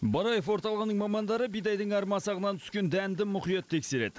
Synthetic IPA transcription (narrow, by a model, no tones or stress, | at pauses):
bɑɾɑjefwo̞ɾt̪ɑlˠəʁənəɴmɑmɑnd̪ɑɾəbijd̪ɑjd̪əɴɑɾmɑsɑʁənɑnt̪ʰʏ̥skʲe̞nd̪ænd̪ɪmʊqijɑt̪ʰːe̞kʲse̞ɾe̞̰d̪ɪ